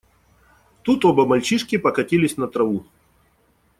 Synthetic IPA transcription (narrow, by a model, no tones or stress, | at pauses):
t̪ut̪obəmɐlʲt͡ɕiʂkʲɪpɐkɐtʲilʲɪsʲnɐt̪ɾɐvu